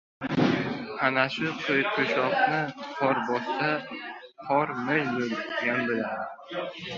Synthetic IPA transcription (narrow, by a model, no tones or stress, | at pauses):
anaʃʊqʰɨjqʰoʃɒqnɪqʰɒɾbɒst̪a | qʰɒɾmejbolɡʲanbɪlad̪ɪ